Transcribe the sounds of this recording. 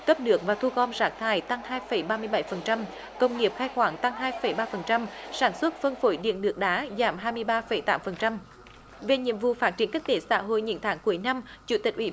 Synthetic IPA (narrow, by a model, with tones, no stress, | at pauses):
kə˦˥p̚ɗɨ˨˥ək̚vaː˨˩t̪ʰu˧ɣɔ˧nzaː˦˥k̚t̪ʰaː˨˩jt̪a˧ŋhaː˧jfə˧˩jɓaː˧mɨ˧əjɓa˧˩jfə˨˩nt͡ɕa˧m | kə˧wŋ͡mŋi˨˩əp̚xaː˧jxwaː˧˩ŋt̪a˧ŋɦaː˧jfə˧˩jɓaː˧fə˨˩nt͡ɕa˧msaː˧˩nswə˦˥t̚fə˧nfo˧˩˦jɗḭ˧˨nɗɨ˨˩ək̚ɗaː˨˦zaː˧˩mɦaː˧jmɨ˧əjɓaː˧fə˧˩jt̪aː˨˦mfə˨˩nt͡ɕa˧m | ve˨˩ɲḭ˧˨əmvṵ˧˨faː˦˥t̚t͡ɕi˧˩ənkï˦˥k̟̚t̪e˨˦sa̰ː˧˥ɦo̰˧˨jɲɨ̰˧˥nt̪ʰaː˨˦ŋku˨˩əjna˧mt͡ɕṵ˧˩t̪i˨˩k̟̚ʔwḭ˧˩